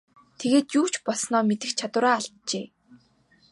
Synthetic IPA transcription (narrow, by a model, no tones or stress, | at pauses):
t̪ʰeɣeːt̪juːt͡ɕʰpɔɮsnɔːmet̪ɘ̆xt͡ɕʰat̪ʊ̆ːɾaːɬt̪t͡ɕeː